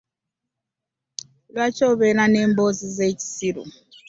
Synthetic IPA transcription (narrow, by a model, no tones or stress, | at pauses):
βat͡ʃɔβɛnanembozizet͡ʃi̥siɾṵ